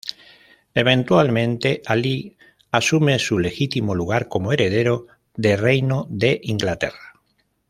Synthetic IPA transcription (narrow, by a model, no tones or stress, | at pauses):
eβ̞ẽ̞nt̪walmẽ̞nt̪eʔali | asume̞sule̞xit̪imoluɣ̞aɾko̞moe̞ɾe̞ð̞eɾo | ðerejnoðe̞ʔiŋɡlat̪e̞̰ra